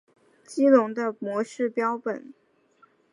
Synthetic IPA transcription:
t͡ɕi˥lʊ˧˥ŋd̪ə˧mwɔ˧˥ʂɻ̩˥˩pjɑ˥ʊpə̰˨˩˦n

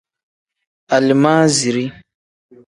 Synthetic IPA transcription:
a˨li˨maː˦zi˨ɾi˦

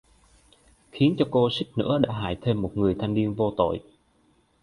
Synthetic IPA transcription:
xi˨˦ənt͡ɕɔ˧ko˧sï˦˥k̟̚nɨ̰˧˥əɗa̰ː˧˥ɦa̰ː˧˨jt̪ʰe˧mːo˨˩t̚ŋɨ˨˩əjt̪ʰa˧jŋ̟ni˧ənvo˧t̪o̰˧˨j

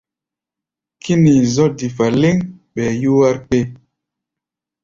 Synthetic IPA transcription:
kʰi˦ni˨zɔ˦di˨fa˨le˦ŋɓɛ˨ju˦wa˦ɾpe˦˨

